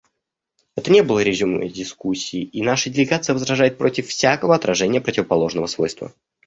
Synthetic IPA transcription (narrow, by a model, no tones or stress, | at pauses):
ɛt̪ənʲebɨlˠəɾʲɪʐɨmə̰dʲɪskusʲːiːinaʂədʲɪlʲɪɡat̪sɨjəvəzɾɐʐajɪt̪̚pɾo̞tʲɪfːsʲakəvəɐt̪ɾɐʐɛnʲɪjəpɾətʲɪvəpɐlˠo̞ʐnəvəsvo̞̰jst̪və̰